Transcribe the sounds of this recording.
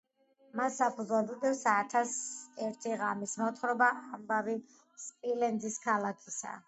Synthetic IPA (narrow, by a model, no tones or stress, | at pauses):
massapʰuzad̪ud̪ɛvsat̪ʰasɛɾt̪ʰiʁamismɔt̪ʰχɾɔbaʔambavi | spʼilɛnd̪ziskʰalakʰisa̰